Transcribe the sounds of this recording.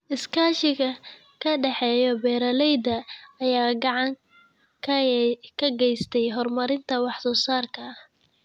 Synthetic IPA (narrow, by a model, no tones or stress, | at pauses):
ʔɪskʰaːʃɪɣɐ | kʰɐɖɑħɛːjɔbɛːɾɐlɛjd̪ɐːjaːɡɑʕɑŋ | kʰɐkʰɐɡɛjst̪ʰɛjɦɔrmɐɾɪnt̪ʰɐwɑħsɔːsaːrkʰɐɐh